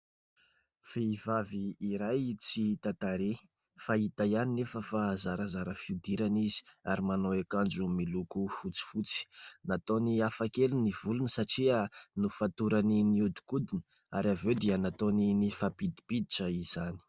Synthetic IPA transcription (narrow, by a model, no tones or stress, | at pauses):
feivaviːɾajt͡sit̪at̪aɾe | fait̪ajaninefəfazaɾazaɾəfiud̪iɾanizi̥aɾimanoekand͡ʒumilukufut͡si̥fut͡si̥nat̪oniafakelinivulunəsaʈ͡ʂianufat̪uɾaniniud̪i̥kud̪inə | a̰ɾavewd̪ianat̪oninifapid̪i̥pid̪iʈ͡ʂaiz̥ani̥